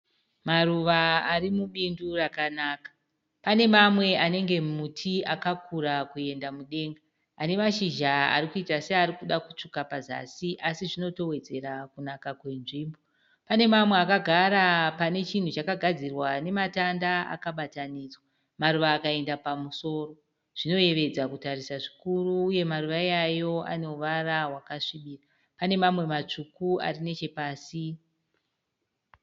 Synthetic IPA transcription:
maruʋaarimuɓindurakanaːkḁ | pane̞mamwe̞ane̞ŋɡe̞mutʰiakakʰuɾakue̞ndamuɗe̞ːŋɡa | ane̞maʃiʒaa̰ɾikuitaseaɾikuɗaku̥t͡ʂukapaza̰siʔasiʐino̞to̞we̞d͡ze̞ɾakunakakwe̞nʐiːmbo | pane̞mamwe̞akaɡʱaɾapane̞t͡ʃin̤ut͡ʃakaɡʱad͡zirwane̞matandaa̰kaɓatanid͡zwa | maɾuʋaːkae̞ndapamuso̞ːro̞ | ʐ̥ino̞e̞ʋe̞d͡zakutaɾisaʐikuruːje̞maruʋajajo̞a̰ne̞uʋaraɦwakaʂiɓiːra | pane̞mamwe̞mat͡ʂukua̰rine̞t͡ʃe̞paːsi

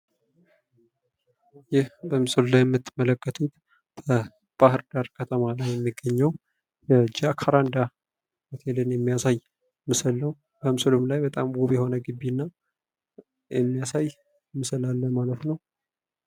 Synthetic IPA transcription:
jɪhbəmɨsəllajɛmːɨt̪ʰːɨmələkʼːət̪ʰut̪ | bʰə | b̥ahɨɾd̪aɾkʰət̪ʰəmalajjɛmːiɡːəɲːɛw | jɛd͡ʒakʰaɾand̪a | kat̪ʰelenjɛmːijasaj | mɨsəlːəw | b̥əmɨsɨlumlajbət̪ʼa̰mɡoβjɛho̞nəɡɨbːinːa | jɛmːijasaj | mɨsəlalːəmalət̪nəw

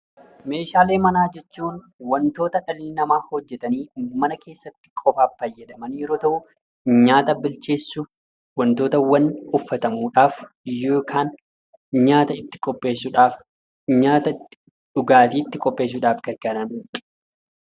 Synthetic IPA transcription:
me̞ːʃaːleːmɐnaːd͡ʒɛt͡ʃːuːn | wɐnt̪o̞ːt̪ɐᶑɐlɪlnɐmaːhɔd͡ʒːɛt̪ɐniːmɐnɐke̞ːsːɐt̪ːɪ̥kʼɔfaːffɐjːɛᶑɐmɐnjɛɾoːt̪ɐʔʊ | ɲaːt̪ɐbɪlt͡ʃe̞ːsːʊ | wɐnt̪o̞ːt̪ɐwɐnʊfːɐt̪ɐmuːᶑaːf | joːkʰaːn | ɲaːt̪ɐɪt̪ːɪ̥kʼɔpʼːeːsʊᶑaːf | ɲaːt̪ɐ | ᶑʊɡaːfiːɪt̪ːɪkʼɔpʼːeːs̬ːʊᶑaːfkɐɾɡanɐn

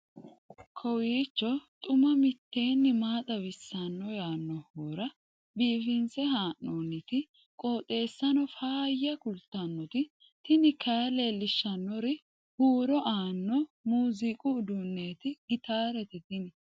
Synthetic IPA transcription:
kʰɔwiːt͡ʃːɔt̪ʼʊmɐmɪt̪ːe̞ːnːɪmaːt̪ʼɐwɪsːɐnːɔjaːnːɔhoːɾɐ | biːfɪnsɛɦaːʔːoːnɪt̪ɪ | kʼoːt̪ʼe̞ːsːɐnɔfaːjɐkʊlt̪ːɐnːɔt̪ɪ | t̪ɪnɪkʰaːleːlɪʃːɐnːɔɾɪ | huːɾɔʔaːnːɔmuːzɪkʼʊːd̪ʊnːe̞ːt̪ɪɡɪt̪aːɾɛt̪ɪt̪ɪnɪ

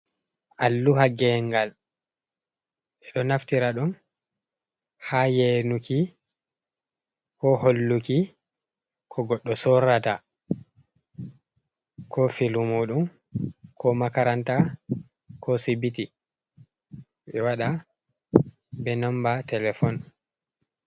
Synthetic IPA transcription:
ʔalːuhaɡɛŋɡal | ɛɗɔnaftiɾaɗum | hajenuki | kɔholːuki | kʰɔɡɔɗːɔsɔɾata | kʰɔfilumuɗum | kʰɔmakaɾanta | kʰɔsibiti | ʔɛwaɗa | bɛnɔmbatɛlɛfɔn

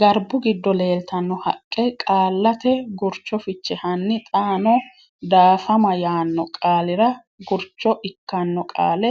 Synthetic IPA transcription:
ɡɐɾbʊɡɪd̪ːɔleːlt̪ɐnːɔhɐ̰kʼːɛkʼaːlːɐt̪ɛɡʊɾt͡ʃːɔfɪt͡ʃːɛhɐnːɪt̪ʼaːnɔ | d̪aːfɐmɐjaːnːɔkʼaːlɪɾɐ | ɡʊɾt͡ʃːɔʔɪkːɐnːɔkʼa̰ːlɛ

